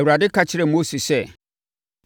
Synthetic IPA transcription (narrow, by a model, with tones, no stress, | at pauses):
wu˨ɾa˨dɪ˦kʰa˨t͡ɕʰɪ˦ɾɛ˨mo˦si˨sɛ˦